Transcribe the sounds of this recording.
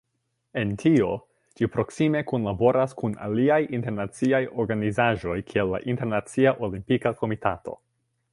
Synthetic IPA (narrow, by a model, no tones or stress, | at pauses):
e̞ntʰio̞ | d͡ʒipɾo̞ksime̞kunlabo̞ɾʔaskuna̰liajinte̞ɾnat͡siajo̞ɾɡanizaʒo̞jkʰie̞lːa̰ʔinte̞ɾnat͡siaʔo̞limpikako̞mitʰato̞̰